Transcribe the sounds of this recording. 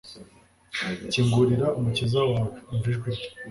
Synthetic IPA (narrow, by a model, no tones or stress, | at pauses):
ciːŋɡuɾiɾaumucizawaiɱviʒɡwe